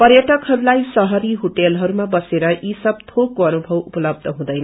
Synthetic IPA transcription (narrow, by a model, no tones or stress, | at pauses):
pʌrjʌʈʌkɦʌɾulajsʌɦʌɾiɦoʈelɦʌɾumabʌseɾʌʔisʌb̚t̪ʰokːoʌnubʱʌwupʌlʌb̚d̪ʱʌɦũd̪ʌjn